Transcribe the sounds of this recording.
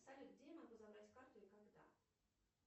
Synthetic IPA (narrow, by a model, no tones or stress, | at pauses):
salʲɪɡdʲemɐɡuzɐbɾatʲkart̪ʊɪkaɡd̪a̰